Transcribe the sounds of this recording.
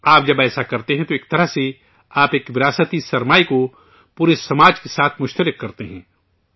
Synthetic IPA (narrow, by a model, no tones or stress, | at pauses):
aːp̚d͡ʒɐbɛːsakɐɾt̪eɦɛ̃t̪oeːk̚t̪ɐɾəɦse | aːpeːkʋɪɾaːsət̪isɐɾmaːiko | puːɾesɐmaːd͡ʒkesaːt̪ʰmʊʃt̪əɾɪkːɐɾt̪eɦɛ̃ː